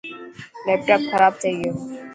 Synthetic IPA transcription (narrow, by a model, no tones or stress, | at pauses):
lɛːp̚ʈaːpxʰəɾaːbt͡ʃaɦie